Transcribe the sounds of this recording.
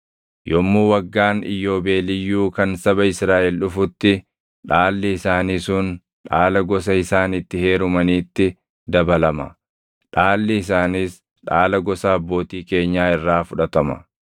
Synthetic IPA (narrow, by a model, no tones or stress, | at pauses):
jɔmːuːwɐɡːaːnɪ̰jːo̞ːbe̞ːlɪjːuːkɐnsɐbɐɪsɾaːʔɛlʊfʊt̪ːɪ | ᶑaːlːɪɪsaːniːsʊn | ᶑaːlɐɡɔs̬ɐɪsaːnɪt̪ːɪhe̞ːɾʊmɐniːt̪ːɪ | d̪ɐbɐlɐmɐ̰ | ᶑaːlːɪɪs̬aːniːs | ᶑaːlɐɡɔsɐːbːo̞ːt̪iːke̞ːɲːaːɪrːaːfʊᶑɐt̪ɐmɐ̰